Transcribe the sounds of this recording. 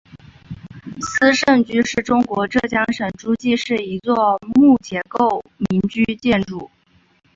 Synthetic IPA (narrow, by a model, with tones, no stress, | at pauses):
sɹ̩˥ʂə˥˩nt͡ɕy˥ʂɻ̩˥˩ʈ͡ʂʊ˥ŋkwɔ˧˥ʈ͡ʂɤ˥˩t͡ɕjɑ˥ŋʂə˨˩nʈ͡ʂu˥t͡ɕi˥˧ʂɻ̩˥˩i˧˥t͡swɔ˥˧mu˥˩t͡ɕjɛ˧˥ko˥˩ʊmi˧˥nt͡ɕy˥t͡ɕjɛ˥˧nʈ͡ʂu˥˩